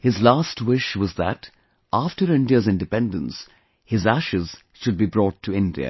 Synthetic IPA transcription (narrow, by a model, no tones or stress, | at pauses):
hɪzlaːstwɪʃwʌzðət | ʔæfʈəɾɪ̃ndiəzɪ̃nɖɨpɛ̃ndə̃ns | hɪzæʃɪz̥ | ʃʊd̚bibɾɔːʈʰːuɪ̃ndiə̰